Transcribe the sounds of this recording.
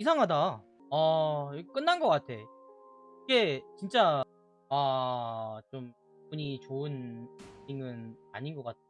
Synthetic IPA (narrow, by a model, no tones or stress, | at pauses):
is̬ʰaŋɦada | ak͈ɯnːanɡʌk͈atʰe̞ | iɡe̞t͡ɕint͡ɕ͈a | a | t͡ɕom | puɲit͡ɕoɯn | iŋɯnaɲinɡʌk͈at̚ʰe